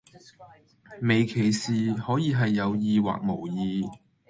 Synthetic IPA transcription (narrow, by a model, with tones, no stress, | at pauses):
me˨˩jkʰe˨˩jsiː˨hɔː˨˥jiː˨˧ɦɐ˨jːɐ˨˧wjiː˨˧wa̰ː˨k̚mo˨˩wjiː˨˧